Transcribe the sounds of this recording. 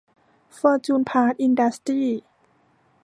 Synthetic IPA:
fɤː˧t͡ɕuː˧˩npʰaː˧˥t̪̚ʔi˧nda˧˦st̪iː˥˩

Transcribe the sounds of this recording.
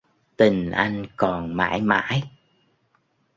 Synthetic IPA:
t̪i˨˩ŋ̟ʔa˧jŋ̟kɔ˨˩nma̰ː˧˥jma̰ː˧˥j

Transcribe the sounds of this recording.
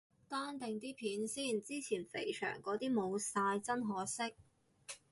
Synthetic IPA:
t̪aː˥nt̪ɪ˨ŋt̪̬iː˥pʰiː˨˥nsiː˥˩nt͡siː˥t͡sʰiː˨˩nfe˨˩jt͡ʃʰœ̰ː˨˩ŋkɔː˨˥t̪iː˥mo˨˧wsaː˧jt͡sɐ˥nɦɔː˨˥sɪ˥k̚

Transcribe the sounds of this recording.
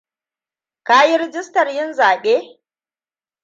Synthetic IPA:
kaː˦ji˦ɾɪ˦d͡ʒɪ˦stɐ˨rjɪ˦nzaː˨ɓeː˦

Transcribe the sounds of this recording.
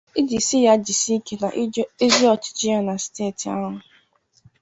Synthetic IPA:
i˦d͡ʒi˨si˦ja˦d͡ʒi˨si˦ke˨na̰˨ʔe˦zi˦ɔ˨t͡ʃɪ̥˨t͡ʃɪ˦a˦na˨steː˦˨ti˨a̰˦ɦʊ˨

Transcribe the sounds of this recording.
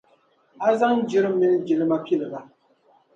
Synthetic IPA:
a˦za˦ŋ˦d͡ʒi˦ɾɨ˦mi˦n˦d͡ʒi˨lɨ˦ma˦pi˦lɨ˨la˨

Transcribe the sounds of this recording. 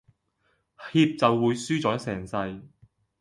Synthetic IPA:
hiː˧p̚t͡sɐ˨wːuː˨˧jsyː˥t͡sɔː˨˥jksɛː˨˩ŋsɐ˧j

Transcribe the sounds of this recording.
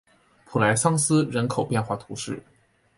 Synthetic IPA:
pʰu˨˩la˧˥ɪsɑ˥ŋsɹ̩˥ɻə˧˥nkʰo˨˩ʊpjɛ˥˧nxwa˥˩t̪ʰu˧˥ʂɻ̩˥˩

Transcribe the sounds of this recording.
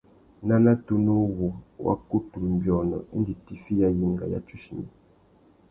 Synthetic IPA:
na˦na˦tu˦nu˦wo˨wa̰˦ku˦tu˨m̩˨bjɔ˨nə̰˨˦n˦di˨ti˨fi˦ja˦ji˦˨ŋ˨ɡa̰˨ja̰˦t͡ʃu˦ʃi˨mḭ˨

